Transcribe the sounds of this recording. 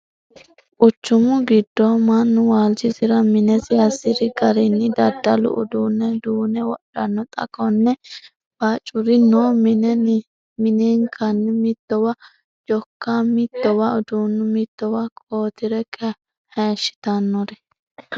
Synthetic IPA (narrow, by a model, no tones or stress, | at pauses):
ʔʊt͡ʃːʊmʊɡɪd̪ːɔmɐnːʊwaːld͡ʒɪzɪɾɐmɪnɛsɪɐsɪɾɪɡɐɾɪnːɪd̪ɐd̪ːɐlʊ̰ʔʊ̰d̪uːnːɛd̪uːnɛwɔʔɐnːɔt̪ʼɐ̰kʼɔnːɛ | b̥at͡ʃʼːʊɾɪnːoːmnɛ | mɪneːŋkʰɐnːɪmɪt̪ːɔwɐ | d͡ʒɔkːamɪt̪ːɔwɐʊd̪uːnːʊmɪt̪ːɔwɐkʼoːt̪ɪɾɛkʰʼɛ | heːʃːɪ̥t̪ɐnːɔɾɛ